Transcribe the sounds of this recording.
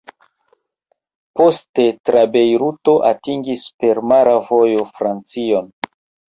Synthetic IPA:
po̞ste̞tɾabe̞jɾuto̞ʔatiŋɡispe̞ɾmaɾavo̞jo̞fɾant͡sio̞n

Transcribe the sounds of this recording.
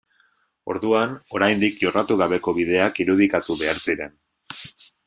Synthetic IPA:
o̞̰ɾðuano̞ɾajnd̪ikʝo̞rat̪uɣaβe̞ko̞βiðe̞akiɾuð̞ikat̪uβe̞aɾsiɾe̞n

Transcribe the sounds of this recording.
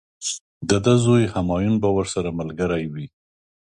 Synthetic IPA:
d̪əd̪əzojhamɑjunbawəɾsaɾaməlɡəɾajwi

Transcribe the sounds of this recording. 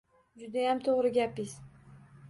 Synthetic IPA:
d͡ʒʊd̪ajamt̪ʰoʁɾɪɡʲapɪz̥

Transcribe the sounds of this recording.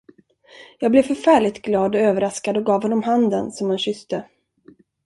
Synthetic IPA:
jɑːɡblɛvfœɾfæːɭɪɡt̪ɡlɑːd̪ɔøːvəɾaskad̪ɔɡɑːvɦɔnːɔmɦand̪ənsɔmhanɕʏst̪ə

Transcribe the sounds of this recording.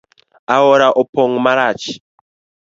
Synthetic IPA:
aɔɾaʔɔpɔŋmaɾat͡ʃi̥

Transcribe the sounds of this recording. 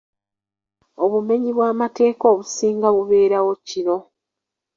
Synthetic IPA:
o̞βume̞ɲiβwaːmate̞ːkoːβusiːŋɡaβuβe̞ːɾawo̞cino̞

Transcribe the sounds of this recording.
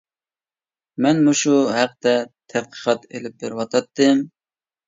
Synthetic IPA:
mɛnmuʃuɦæq̚d̪ɛt̪ʰæt̪̚qʰə̥qʰɑt̪elɪp̚bɪɾwɑt̪ʰɑt̪ːɨm

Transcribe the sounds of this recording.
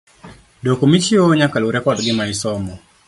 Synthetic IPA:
dokomit͡ʃɪoɲakaluɾɛkɔdɡɪmaɪsɔmɔ

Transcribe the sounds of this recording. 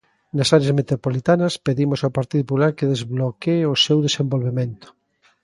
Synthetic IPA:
nasaɾeazmet̪ɾopolit̪anɐspeðimosawpaɾt̪iðop̬ulaɾkeðezβlokeosewðesembolβemẽnt̪o̥

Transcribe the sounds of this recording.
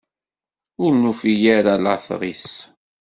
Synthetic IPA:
ʊɾnufijaɾala̰θʁˤis

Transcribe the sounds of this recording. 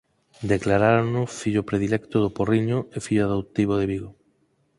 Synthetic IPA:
d̪eklaɾaɾonʊfiʎʊpɾeðilɛkt̪ʊðʊporiɲʊefiʎʊaðot̪iβoðeβiɣo

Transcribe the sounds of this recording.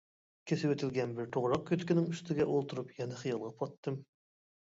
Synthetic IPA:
kʲʰesɪwet̪ʰɪlɡʲɛnbɪɾt̪ʰoʁɾɑq̚kʲøt̪kʲinɪŋyst̪ʰɪɡʲɛʔolˠt̪ʰuɾupjɛnɪχəjɑlˠʁɑpʰɑt̪ːɨm

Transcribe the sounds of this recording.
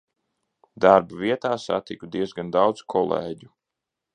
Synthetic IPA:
d̪aɾbuviɛt̪aːsa̰t̪ikud̪iɛzɡand̪awd̪zkʰɔlˠḛːɟu

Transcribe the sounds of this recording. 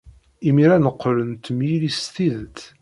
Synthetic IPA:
imiɾænəqːlənt̪milist̪iðt̪

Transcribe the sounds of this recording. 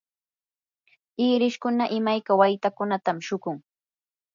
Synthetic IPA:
ɪːɾɪʃkʊnaʔɪmajkawajt̪akʊnat̪amʃʊkʊŋ

